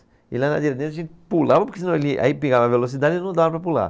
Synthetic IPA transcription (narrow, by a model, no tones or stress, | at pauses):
ilana̰d̪iɾet̪d̪ẽt̪ɐʒẽt̪ɪpulavɐpoɾkesinɐ̃elɪa̰ipeɡavɐvelos̬id̪ad͡ʒ̪ɪnɐ̃w̃d̪avɐpɾɐpula̰